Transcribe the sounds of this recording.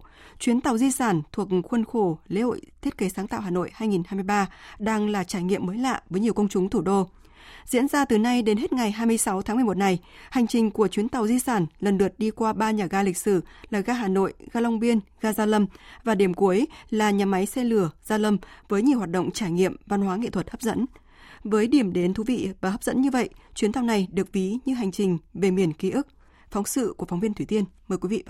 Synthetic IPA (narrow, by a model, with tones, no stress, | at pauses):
t͡ɕwi˨˦ənt̪a˨˩wzi˧saː˧˩nt̪ʰu˨˩ək̚xwə˧nxo˧˩lḛ˧˥˦ho̰˧˨jt̪ʰi˦˥ət̚ke˨˦saː˨˦ŋt̪a̰ː˧˨wɦaː˨˩no̰˧˨jhaː˧jŋi˨˩nhaː˧jm˧jɓaː˧ɗaː˧ŋlaː˨˩t͡ɕaː˧˩jŋḭ˧˨əmːəː˨˦jla̰ː˧˨vəː˨˦jɲi˨˩əkə˧wŋ͡mt͡ɕʊ˨˦ŋ͡mt̪ʰu˧˩ɗo˧ | zḭ˧˥ənzaː˧t̪ɨ˨˩na˧jɗe˨˦nɦe˦˥t̚ŋa˨˩jɦaː˧jmɨ˧əjsa˨˦wt̪ʰa˨˦mɨ˨˩ə˩mo˨˩t̚na˨˩j | ha˨˩jŋ̟t͡ɕï˨˩ŋ̟ku˧˩ət͡ɕwi˨˦ənt̪a˨˩wzi˧saː˧˩nlə˨˩nɗɨ˨˩ət̚ɗi˧kwaː˧ɓaː˧ɲaː˨˩ɣaː˧lï˨˩k̟̚sɨ˧˩laː˨˩ɣaː˧ɦaː˨˩no̰˧˨jɣaː˧lə˧wŋ͡mɓi˧ənɣaː˧zaː˧lə˧mvaː˨˩ɗi˧˩əmku˨˦əjlaː˨˩ɲaː˨˩ma˨˦jsɛ˧lɨ˧˩əzaː˧lə˧mvəː˨˦jɲi˨˩hwaː˨˩t̚ɗo̰˧˨ŋ͡mt͡ɕaː˧˩jŋḭ˧˨əmva˧nɦwaː˨˦ŋḛ˧˨t̪ʰwə˨˩t̚həː˦˥p̚zə̰˧˥n | vəː˨˦jɗi˧˩əmɗe˨˦nt̪ʰu˨˦vḭ˧˨vaː˨˩ɦə˦˥p̚zə̰˧˥nɲɨ˧və̰˧˨jt͡ɕwi˨˦nt̪ʰa˧wŋ͡mna˨˩jɗɨ˨˩ək̚vi˨˦ɲɨ˧ɦa˨˩jŋ̟t͡ɕï˨˩ŋ̟ve˨˩mi˨˩ənki˨˦ʔɨ˦˥k̚ | fɔ˨˦wŋ͡msɨ̰˧˨ku˧˩əfɔ˨˦wŋ͡mvi˧ənt̪ʰi˧˩t̪i˧ənməː˨˩jkwi˨˦vḭ˧˨˧